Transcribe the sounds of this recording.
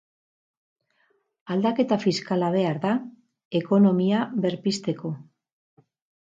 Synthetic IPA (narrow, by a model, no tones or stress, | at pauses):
ald̪ake̞t̪afiskalaβ̞e̞aɾða | e̞ko̞no̞miaβe̞ɾpist̪e̞ko̞